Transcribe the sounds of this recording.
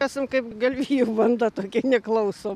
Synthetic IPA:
æːsʲɪmkɐɪpɡɐlʲʋʲiːjɛʊʋɐnd̪ɐt̪oːkʲɛnʲɛklˠɐʊsoː

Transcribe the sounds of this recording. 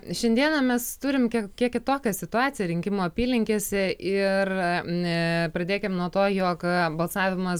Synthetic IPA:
ʃʲɛnd̪ʲiɛnɐmʲɛst̪uːɾʲɪmkʲikʲiɛkʲɪt̪oːkʲɛsʲɪt̪ʊɑːtt͡ssʲɪjɛɾʲɪŋʲkʲɪmoːɐpʲiːlʲɪŋʲkʲesʲɪʔɪr | pɾɐd̪ʲeːkʲɪmnuɔt̪oːjoːkbɐlˠsɑːʋʲɪmɐs

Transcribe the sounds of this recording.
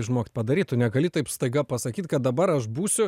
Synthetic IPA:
ɪʒmoːkt̪̚ʲpɐd̪ɐɾʲiːt̪ʊnʲɛɡɐlʲɪt̪ɐɪpst̪ɐɪɡɐpɐsɐkʲiːt̪ʲkɐt̪̚d̪ɐbɐɾɐʃbuːsʲʊ

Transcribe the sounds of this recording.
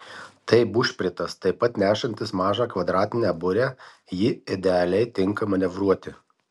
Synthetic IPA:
t̪ɐɪbʊʃʲpʲɾʲɪt̪ɐst̪ɐɪpɐt̪nʲæːʃɐnʲt̪ʲɪsmɑːʒɑːkʋɐd̪ɾɑːt̪ʲɪnʲɛbʊɾʲæː | jɪɪd̪ʲɛɐlʲɛɪt̪ʲɪŋkɐmɐnʲɛʋɾuɔt̪ʲɪ

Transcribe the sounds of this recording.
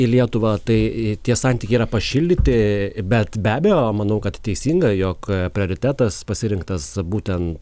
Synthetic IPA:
ɪlʲiɛt̪ʊʋɐt̪ɐɪt̪ʲiɛsɑˑnt̪ʲikʲɛɪiːɾɐpɐʃʲɪlʲd̪ʲɪt̪ʲɪbʲɛt̪bʲæːbʲɛjoːmɐnɐʊkɐt̪tʲɛɪsʲiːŋɡɐjoːkpʲɾʲɪoːɾʲɪt̪ʲæːt̪ɐspɐsʲɪɾʲɪŋkt̪ɐsbuːt̪ʲɛnt̪

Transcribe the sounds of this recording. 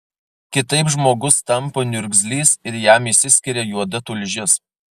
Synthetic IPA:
kʲɪt̪ɐɪpʒmoːɡʊst̪ɐmˑpoːnʲʊɾʲɡʲzʲlʲiːsɪɾjæmɪsʲɪsʲkʲɪɾʲɛjuɔd̪ɐt̪ʊlʲʒʲɪs

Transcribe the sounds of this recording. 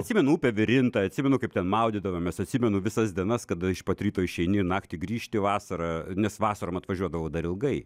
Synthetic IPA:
ɐt̪ʲsʲɪmʲɛnʊuːpʲɛʋʲɪɾʲɪnt̪ɐɐt̪ʲsʲɪmʲɛnʊkɐɪp̚t̪ʲɛnmɐʊd̪ʲɪd̪ɐʋɐmmʲɛsɐt̪ʲsʲɪmʲɛnʊʋʲɪsɐsd̪ʲiɛnɐskɐd̪ɪʃpɐt̪ʲɾʲiːt̪oːɪʃʲɛɪnʲɪnɑːkt̪ʲɪɡɾʲiːʃʲt̪ʲɪʋɑːsɐɾɑnʲɛsʋɑːsɐɾomɐt̪ʋɐʒʲuɔd̪ɐʋɐʊd̪ɐɾɪlˠɡɐɪ

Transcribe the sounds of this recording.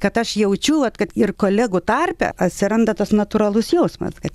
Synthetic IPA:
kɐt̪ɐʃjɛʊt͡ʃʲuʋɐt̪kɐt̪ɪrkoːlʲæːɡʊt̪ɐrʲpʲɛ̰ɐt̪ʲsʲɪɾɐnd̪ɐt̪ɐsnɐt̪uɾɐlˠʊsjɛʊsmɐ̰skɐt̪

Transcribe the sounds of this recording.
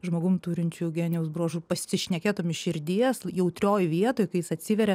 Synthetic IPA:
ʒmoːɡʊmt̪uːɾʲɪnʲt͡ʃʲuɡʲæːnʲjɛʊsbɾoːʒuːpɐsʲɪʃʲnʲɛkʲeːt̪oːmɪʃʲɪɾʲd̪ʲiɛsjɛʊt̪ʲɾʲoːjʋʲiɛt̪oːjkɐɪjɪsɐt̪ʲsʲɪʋʲɛɾʲɛ

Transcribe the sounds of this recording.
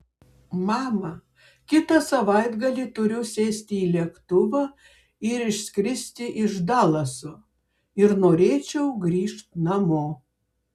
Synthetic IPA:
mɑːmɐ | kʲɪt̪ɐsɐʋɐɪd̪ɡɐlʲiːt̪ʊɾʲʊsʲeːsʲt̪ʲɪiːlʲiɛkt̪ʊʋɐ | ɪɾɪʃʲsʲkɾʲɪsʲt̪ʲɪʔɪʒd̪ɑːlˠɐso | ɪɾnoːɾʲeːt͡ʃʲɛʊɡɾʲiːʃt̪nɐmoː

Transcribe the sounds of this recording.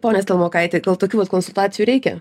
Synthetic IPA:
poːnʲɛst̪ʲelˠmoːkɐɪt̪ʲeɡɐlˠt̪oːkʲuːʋɐt̪koːnsʊlˠt̪ɑːt̪t͡sʲɪjuːɾʲɛɪkʲɛ̰

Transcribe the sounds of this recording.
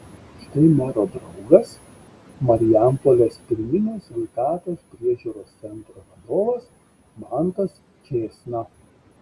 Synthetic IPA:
ʃt̪ɐɪmʲæːɾoːd̪ɾɒʊɡɐs | mɐɾʲɪjæmpolʲeːspʲɪɾʲmʲɪnʲeːsʋʲɛɪt̪ɑːt̪oːspʲɾʲiɛʒʲuːɾoːst̪sʲɛnt̪ɾoːʋɐd̪oːʋɐs | mɑˑnt̪ɐs | t͡ʃʲeːsnɐ

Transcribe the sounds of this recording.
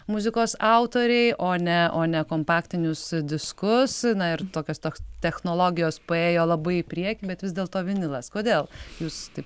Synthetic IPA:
mʊzʲɪkoːsɐʊt̪oːɾʲɛɪʔoːnʲɛoːnʲɛkoːmpɑːkt̪ʲɪnʲʊsd̪ʲɪskʊsnɐɪɾt̪oːkʲoːst̪oːkst̪ʲɛxnoːlˠoːɡʲɪjoːspɐeːjoːlˠɐbɐɪɪpʲɾʲiɛkʲibʲɛt̪ʋʲɪzd̪ʲeːlˠt̪oːʋʲɪnʲɪlˠɐskoːd̪ʲeːlˠjuːst̪ɐɪp

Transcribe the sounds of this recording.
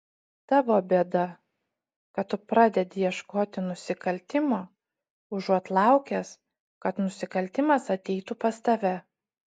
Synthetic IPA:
t̪ɑːʋoːbʲeɛd̪ɐ | kɐt̪t̪ːʊpɾɑːd̪ʲɛd̪ʲɪjɛʃkoːt̪ʲɪnʊsʲɪkɐlʲt̪ʲɪmoː | ʊʒuɔt̪lˠɑˑʊkʲɛs | kɐt̪nʊsʲɪkɐlʲt̪ʲɪmɐsɐt̪ʲɛɪt̪upɐst̪ɐʋʲɛ

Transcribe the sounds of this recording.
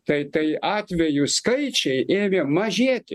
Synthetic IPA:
t̪ɐɪt̪ɐɪɑːt̪ʲʋʲɛjʊskɐɪt͡ʃʲɛɪʔeːmʲemɐʒʲiɛt̪ʲɪ

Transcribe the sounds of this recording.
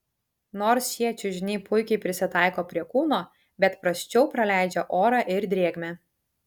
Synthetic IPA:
noːɾsjiɛt͡ʃʲʊʒʲɪnʲɛːpʰʊɪkʲɛɪpʲɾʲɪsʲɪt̪ɑˑɪkoːpʲɾʲiɛkuːnoː | bʲɛt̪pɾɐsʲt͡ʃʲɛʊpɾɐlʲæˑɪd͡ʒʲɛʔoːɾɑʔɪɾd̪ʲɾʲiɛɡmʲɛ

